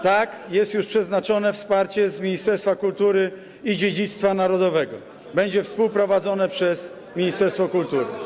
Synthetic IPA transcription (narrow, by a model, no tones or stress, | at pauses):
t̪akjɛst̪juʂpʂɛznat͡ʂɔnɛfspaɾt͡ɕɛzmʲiɲist̪ɛɾst̪fakult̪uɾɘ | id͡ʑed͡ʑit̪st̪fanaɾɔd̪ɔvɛɡɔ | bɛɲd͡ʑɛfspuwpɾɔvad̪zɔnɛpʂɛs | mʲiɲist̪ɛɾst̪fɔkult̪uɾɘ̰